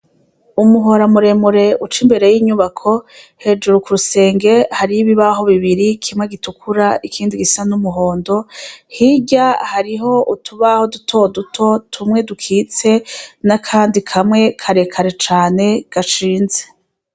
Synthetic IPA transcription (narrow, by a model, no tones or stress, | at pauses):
umuɦo̞ɾamuɾe̞muɾe̞ut͡ʃimbe̞ɾe̞jiːɲuβakʰo̞he̞d͡ʒuɾukuɾuse̞ːŋɡe̞haɾiβiβaɦo̞βiβiɾikʰimŋeɡitukʰuɾaikʰiːndiɡisanumuɦo̞ːndo̞hiɟahaɾiɦo̞utuβaho̞dutʰo̞dutʰo̞tʰumŋe̞dukʰiːt͡se̞nakʰaːndikʰamŋe̞kʰaɾe̞kʰaɾet͡ʃaːne̞ɡ̥aʃiːnze̥